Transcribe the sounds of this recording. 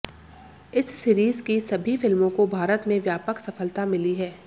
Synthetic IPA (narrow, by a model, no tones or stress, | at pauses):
ɪsːiːɾiːzkisɐbʱifɪlmõkobʱaːɾət̪mẽʋjaːpəksɐfəlt̪amɪliɦɛː